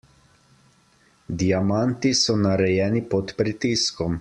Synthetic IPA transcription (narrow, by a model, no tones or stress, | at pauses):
d̪ijamant̪isɔnaɾɛjɛːnipɔt̪pɾit̪iskɔm